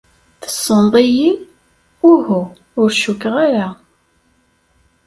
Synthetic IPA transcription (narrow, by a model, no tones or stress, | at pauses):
θə̥sˤːənd̪ˤiji | ʊhu | ʊɾʃukːʁaɾa